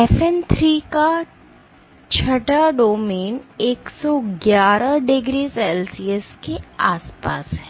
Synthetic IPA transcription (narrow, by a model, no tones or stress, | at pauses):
efɛnt̪ʰɾiːka | t͡ʃʰɐʈaɖoːmeːneːksɔɡjaːɾaɖɪɡɾiːselsieskeaːspa̰ːsɦɛː